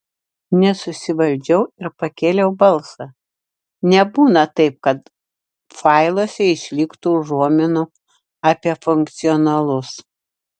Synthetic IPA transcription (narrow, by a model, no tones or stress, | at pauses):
nʲɛsʊsʲɪʋɐlʲd͡ʒʲɛʊɪɾpɐkʲeːlʲɛʊbɐlˠsɐ | nʲɛbuːnɐt̪ɐɪp̚kɐt̪ | fɑɪlˠoːsʲɛɪʃʲlʲɪkt̪uːʒuɔmʲɪnʊ | ɑpʲiɛfʊŋk̚t̪sʲɪɔnɐlˠʊs